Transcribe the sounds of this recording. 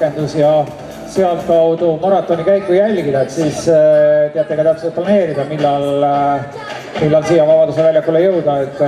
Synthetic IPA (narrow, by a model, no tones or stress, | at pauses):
e̞nd̪̥usjɑ | seɑlt̪kɑwd̪̥umɑɾɑt̪ːˑo̞nikæjkːujælʲɡid̪̥ɑet̪siːst̪eɑt̪ːˑeɡɑt̪ɑht̪set̪̚plɑne̞ːɾid̪ɑmilːɑl | milːɑlsiːjɑvɑbɑd̪usevælʲjɑkːulejɤwd̪̥ɑe̞t̪ːˑ